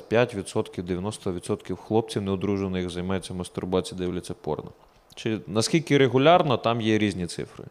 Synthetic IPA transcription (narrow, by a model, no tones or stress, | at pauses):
pʲjatʲʋʲid̪sɔt̪kʲiwd̪eʋʲjɐnɔst̪ɔʋʲid̪sɔt̪kʲiwxlˠɔp̚t͡sʲiwneʊd̪ɾuʒenɪzɐjmɑjɛt͡sʲːɐmɐst̪ʊrbɑt͡sʲid̪ɪwlʲɛt͡sʲːɐpɔ̰rnɐ̰ | t͡ʃɪnɐskʲilʲkɪɾeɦʊlʲɑrnɔt̪ɑmjɛɾʲizʲnʲit̪sɪ̰fɾɪ̰